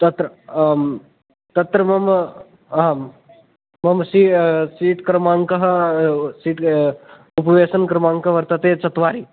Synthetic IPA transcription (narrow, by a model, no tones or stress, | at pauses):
t̪ɐt̪ɾɐ | t̪ɐt̪ɾɐmɐm | mɐmsiːsiːʈkɾɐmãːŋkɐɦɐsiːʈ | upɐʋeːsɐnkɾɐmaːŋkɐʋɐɾt̪ɐt̪eːt͡ʃɐt̪ʋaːɾiː